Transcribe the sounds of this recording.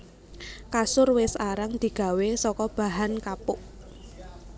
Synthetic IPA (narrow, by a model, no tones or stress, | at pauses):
kasʊrwɪsaɾaŋd̪̥i̤ɡ̥a̤wesɔkɔb̥a̤ɦankapʊʔ